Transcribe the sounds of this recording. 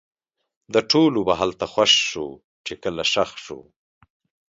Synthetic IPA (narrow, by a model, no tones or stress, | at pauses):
d̪əʈolobaɦalt̪axwaʃːo | t͡ʃekəlaʃaxʃo̰